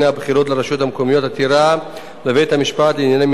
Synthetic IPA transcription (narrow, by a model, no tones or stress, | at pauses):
nabχiɾo̞t̪leɾaʃot̪hamkomijo̞t̪at̪iɾa | levejt̪hamiʃpat̪leinjanem